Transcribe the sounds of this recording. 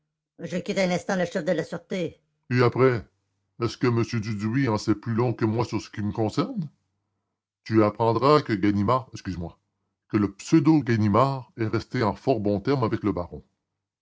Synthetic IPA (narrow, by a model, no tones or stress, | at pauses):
ʒəkʲit̪ɛ̃nɛ̃st̪ɑ̃ləʃɛfd̪əlasyʁt̪e | eapʁɛ | ɛskəməsjød̪yd̪uiɑ̃sɛplylɔ̃kəmwasyʁsə̥kʲiməkɔ̃sɛʁn | t̪yapχɑ̃d̪ʁakəɡʲanimaːʁɛkskʲyzemwa | kələpsød̪oɡanimaːʁɛʁɛst̪eɑ̃fɔʁbɔ̃t̪ɛʁmavɛkləbaʁɔ̃